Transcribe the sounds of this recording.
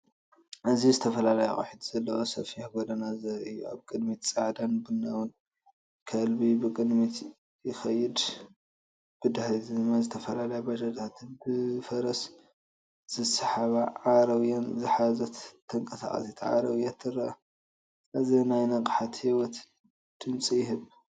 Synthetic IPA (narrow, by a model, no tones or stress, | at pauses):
ʔɨzizɨt̪ʰɐfɐlalɐjaxʼɐ̰ħid̪z̥ɐlːɐwosɐfiħɡod̪ɐnazɐɾɨjːua̰βkʼɨd̪mit̪t͡sʼaʕd̪anbɨnːɐ̰wɨn | kʰɐlbibɨkʼɨd̪mit̪ | jɪxɐjːɪd̪ | b̥ɨd̪ahlizmazɨt̪ʰɐfɐlalɐjabɐd͡ʒɐt̪ʰat̪ʰɨnbɨfɐɾɐs | z̥ɨsɐħaβaʕaɾɐwjonzɨħazɐt̪t̪ʰːɐŋkʼɐsa̰χʼɐ̰sit̪ʰʕa̰ɾɐwjat̪ʰɨrːɐʔ | ɐzinajnɐqʼħat̪hiwɔt̪ | d̪̥ɨmt͡sʼijɪɦɨβ